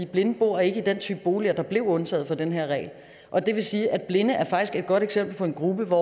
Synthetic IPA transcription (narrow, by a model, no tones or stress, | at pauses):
ib̥le̝nəb̥o̝ɐ̰e̝ɡ̥əid̥en̰t͡sʰy̰ːb̥əb̥o̝ːliɐd̥ɑ̈b̥le̝ʊ̰ɔ̽nt͡sʰɛ̰ːð̞̩ˠfɒ̽d̥enɦeɐ̰ʁɛ̰ɪl | ʔɒ̽d̥e̝ʋe̝siːʔæd̥̚b̥le̝nəʔæɐfɑ̈ɡ̥isɡ̥e̝d̥̚ɡ̥ɒ̽ɾ̥eɡ̥sem̰b̥l̩pʰɒ̽e̝nɡ̥ʁub̥əʋɒ